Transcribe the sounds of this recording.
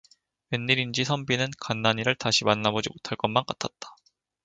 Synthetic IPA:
we̞nːiɾind͡ʑisʰʌmbinɯnkanːaɲiɾɯɭtaɕʰimanːabod͡ʑimotʰaɭk͈ʌnmank͈atʰat̚t͈ḁ

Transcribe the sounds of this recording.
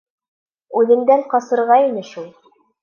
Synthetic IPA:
ʉðɘ̆nd̪ælqɑsɤ̆ɾʁɑinɘʃulˠ

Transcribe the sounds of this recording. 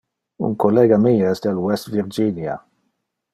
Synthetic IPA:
ṵŋkɔlːɛːɡamijaɛsd̪alwɛst̪viɾd͡ʒiːnja̰

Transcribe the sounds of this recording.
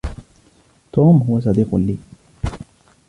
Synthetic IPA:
t̪ɔmɦuwas̬ad̪ikʊ̰lːi

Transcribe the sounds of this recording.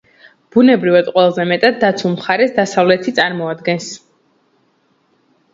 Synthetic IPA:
b̥unɛbɾivad̪qʼwɛlˠazɛmɛt̪ʼad̪ːat̪sʰulˠmχaɾɛsd̪asavlɛt̪ʰit̪sʼaɾmɔad̪ɡɛns

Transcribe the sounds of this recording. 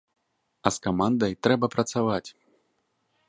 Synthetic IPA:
ɐskamand̪ɐjt̪ɾɛbɐpɾɐt̪savat͡sʲ

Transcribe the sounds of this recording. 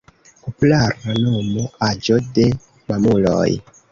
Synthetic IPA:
popularanomoad͡ʒode̞ | mamulo̰j

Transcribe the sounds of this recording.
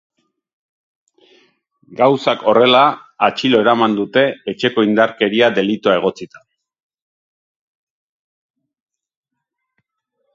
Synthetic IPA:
ɡawsako̞re̞laːt͡ʃilo̞e̞ɾamand̪ut̪e̞et͡ʃe̞ko̞ind̪aɾke̞ɾiad̪e̞lit̪oae̞ɣ̞o̞t͡sit̪ḁ

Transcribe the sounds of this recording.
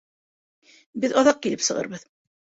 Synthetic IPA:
bɘðɑðɑq̚kilɘpsɤ̆ʁɤ̰ɾβɤð

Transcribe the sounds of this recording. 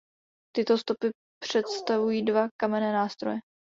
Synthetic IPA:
t̪ɪt̪o̞st̪o̞pɪ | pr̝̥ɛt̪st̪avujiːdvakamɛnɛːnaːst̪ɾo̰jɛ

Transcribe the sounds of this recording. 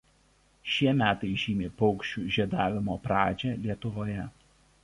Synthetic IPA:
ʃʲiɛmʲæːt̪ɐɪʒʲiːmʲeːpɔʊkʃʲt͡ʃʲuːʒʲiɛd̪ɑːʋʲɪmoːpɾɑːd͡ʒʲɛːlʲiɛt̪ʊʋoːjɛ

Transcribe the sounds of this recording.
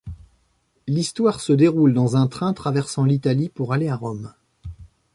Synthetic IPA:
list̪waʁsəd̪eʁuld̪ɑ̃zɛ̃t̪χɛ̃t̪χavɛʁsɑ̃lit̪alipuʁaleaʁɔm

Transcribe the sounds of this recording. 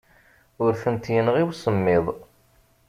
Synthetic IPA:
ʊɾθənt̪jənəʁiwsəmːɪðˤ

